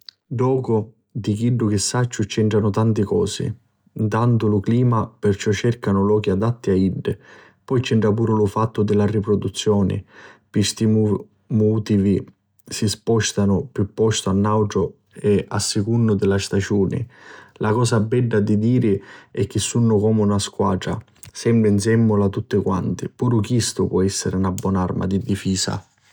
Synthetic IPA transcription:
ɖɔːkʊ | d̪ik̟iɖːʊkɪsːat͡ʃːʊt͡ʃɛɳʈɾanʊt̪ant̪ɪkɔ̰ːsɪ̰ | int̪ant̪ʊlʊkliːmapɪrt͡ʃɔt͡ʃːɛrkanʊlɔːk̟iad̪at̪ːiaiɖː | pɔjt͡ʃɛɳʈɾap̬uːɾʊlʊfat̪ːʊd̪ɪlaripɾɔd̪ut̪sːjɔːnɪ̰pist̪iu | muːt̪ivi | sispɔʃt̪anʊpjupːɔst̪ʊanːawʈɾʊ | ɛa̰sːɪkunːʊd̪ɪlast̪ad͡ʒuːnɪ̰lʔakɔːsabɛɖːad̪id̪iːɾɪɛk̟ːɪsːunːʊkɔːmunaskwa̰ːʈɾa̰ | sɛmbɾɪns̬ɛmːʊlat̪ːut̪ːɪkwa̰nt̪ɪpuːɾʊkjist̪ʊpwɔɛsːɪɾɪunabːwɔːnarma̰d̪id̪ifiːsa̰

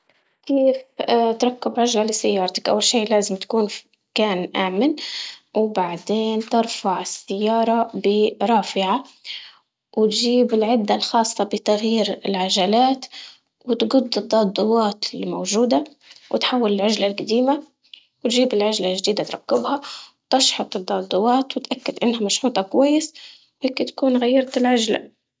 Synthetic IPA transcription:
keeːft̪ɾˤɑkːɪbʕaʒlalɪsajːɑːɾˤt̪ḁkʔa̰wːalʃiːʔlaːzɪmt̪kuːn | kaːnʔaːmɪnwbaʕd̪eːnt̪ɪɾˤfaʕɪsːɪjːɑːɾˤɑbɪɾˤɑːfɪʕa | wɪt̪ʒiːbɪlʕɪd̪ːalxɑːsˤːɑbɪt̪aɣjiːɾɪlʕaʒalaːt̪ | wɪt̪ɡʊd̪ːɨd̪ˤːɑːd̪ˤːʊwɑːt̪limowʒuːd̪a | wʔɪ̰t̪ħawːalɪlʕaʒlalɡad̪iːma | wt̪ʒiːbɪlʕaʒlaʒd̪iːd̪at̪ɾˤɑkːɪbhawt̪ɑʃħɑt̪ˤɨd̪ˤːɑːd̪ˤːʊwɑːt̪wɪt̪ʔakːad̪ʔɪnːhamaʃħuːt̪ˤɑkwajːɪs | wheːkɪt̪akuːnɣajːɑɾˤt̪ɪlʕaʒla̰

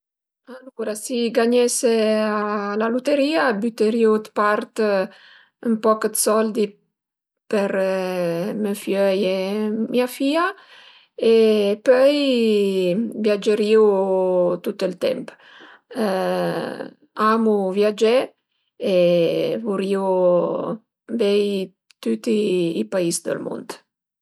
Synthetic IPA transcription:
aluɾasiɡaɲɛsealalut̪eɾiːabyt̪əɾiut̪paɾt̪ | əmpɔkət̪sɔld̪i | pəɾ | məfjœjemiafiːa | epœj | vjad͡ʒəɾiut̪ut̪əilt̪ɛ̰mp | amuvjad͡ʒɛ | ɛvuɾiu | vɛj | t̪ut̪iːpaisd̪ə̰lmṵnd̪

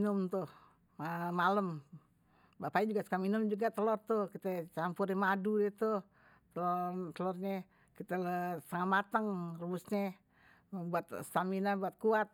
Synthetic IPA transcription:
nʊmt̪ʊh | mamaləm | bapaid͡ʒuɡasə̥kaminʊmd͡ʒuɡat̪əlɔrt̪ʊhkit̪at͡ʃampʊrimadudɛt̪uh | t̪əlɔt̪əlɔrɲɛ | kit̪alsaŋat̪̚mat̪əŋrubusɲɛ | buat̪st̪aminabuat̪̚kuat̪̚

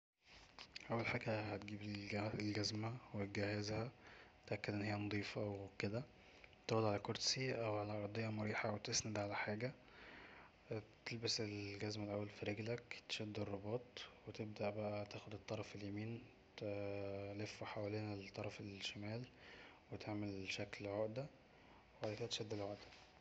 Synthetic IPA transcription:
ʔæwːælħaːɡæhæt̪ɡiːblɡæzmæweɡæhæzhæt̪ʔækːed̪ʔenːhejːænɑd̪ˤiːfɑwked̪æ | t̪æxod̪ʕalækoɾˤsiʔæwʕalæʔɑɾˤd̪ˤejːɑmoɾiːħawet̪esnæd̪ʕalæħaːɡæ | t̪elbæselɡæzmælʔæwːælfiɾeɡlækt̪e̥ʃæd̪ːerˤːobɑːt̪ˤwet̪eb̚d̪æʔbæʔæt̪æːxod̪et̪ˤːɑɾˤɑfeljæmiːn | t̪ | lefːoħawæleːnælt̪ˤːɑɾˤɑfelʃæmæːlwet̪ʰeʕmelʃæklʕoʔd̪æ | weʕalæked̪æt̪ʃæd̪ːelʕoʔd̪æ̥

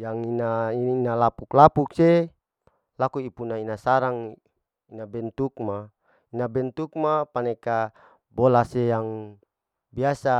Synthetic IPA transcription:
jaŋinaiinalapuklapuk̚se | lakuipunainasaɾaŋ | inabɛnt̪uk̚ma | inabɛnt̪uk̚mapaneka | bolasejaŋ | biasa

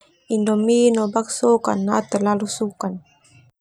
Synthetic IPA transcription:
indɔminɔbaksoka̰nːat̪ərlalusukan

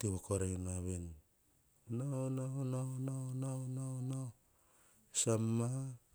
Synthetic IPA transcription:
tiβakoɾenaβen | nanaonaonaonanaona | samːa

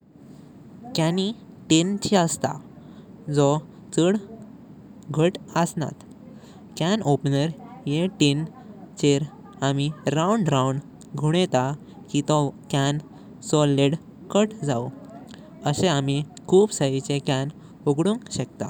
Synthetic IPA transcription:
kani | ʈint͡ɕʰiəst̪a̰ | d͡zɔ | t͡səɽ | ɡʱəʈəsna̰t̪ | kænopnəɾjeʈin | t͡ɕeɾ | amiɾauɳɖɾauɳɖ | ɡʱuɽet̪a | kit̪ɔkan | sɔleɽ | kəʈd͡zaw | əseamikʰuːbsəit͡sekæn | oɡɽũŋkɕəkt̪a̰

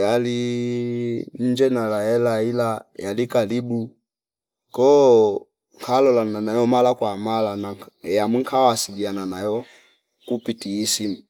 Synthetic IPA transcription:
jali | n̩d͡ʒɛnalaɛlailajalikalibu | kɔ | ŋkʰalɔlananajɔmalakwamalanajamwiŋkʰawasiɡiananajɔ | kupitiːsim

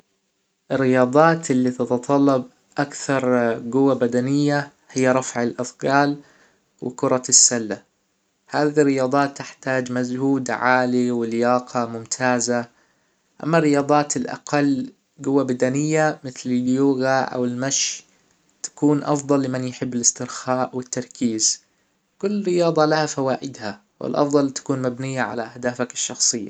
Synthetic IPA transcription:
ʔɪrːɪjɑːd̪ˤɑːt̪ɪlːit̪ɑt̪ɑt̪ˤɑlːɑb̚ | ʔakθɑɾˤɡʊwːabad̪anɪjːa | hɪjːaɾˤɑfʕɪlʔɑθˤɡɑːl | wɪ̰kʊɾˤɑsːalːa | haːðirːɪjɑːd̪ˤɑːt̪ːɪħt̪aːd͡ʒmazhuːd̪ʕaːliwɪljɑːqʰɑmʊmt̪ʰaːza | ʔa̰mːarːɪjɑːd̪ˤɑːt̪ɪlʔa̰qɑlː | ɡʊwːabad̪anɪjːamɪθlɪljuːɣaʔa̰wɪlmaʃ | t̪ḁkuːnʔɑfd̪ˤɑlːɪmanjħɪbːɪlɪst̪ɪɾxaːʔwɪt̪ːɑɾˤkʰiːz | kʊlːɪrɪjɑːd̪ˤɑlahafawaːʔɪd̪ha | wɪ̰lʔɑ̰fd̪ˤɑlt̪ḁkuːnmabnɪjːaʕa̰laʔahd̪aːfakɪ̥ʃːɑxsˤɨjːa̰

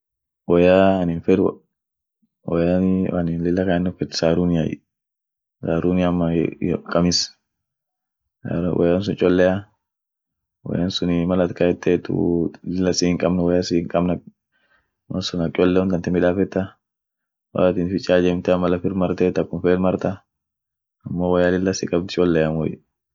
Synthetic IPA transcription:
wɔjaːnɪnfɛɾ̰ | wɔjaɐnɪnlɪlːɐkanːɔfɛt̪saːɾunɪjaj̰ | saːɾunɪjamːɐkʼɐmɪs | ɾwʔɔ̰jans̬ʊnt͡ʃʼɔlːɛa | wɔ̰jansʊnɪmɐlɐt̪kɐjɛt̪ʰːet̪ʊ̰ɪlːɐsɪɪŋkʼɐbnwɐjasiŋkʼɐbnɐ | mɐnsʊnɐkʼɔlːɛʊnt̪ɐnt̪ɪmɪᶑaːfɛt̪ːɐ | wɐ̰lat̪ɪnfɪt͡ʃʼːaːd͡ʒɛmt̪ɛɐmɐlɐfɪɾmɐɾt̪ɛt̪ːɐkːʊmfeːlmɐɾt̪ɐ | ɐmːowɐjalɪlːɐsɪkʼɐb̚t̪ɪt͡ʃʼɔlːɛjɐmwɔ̰j

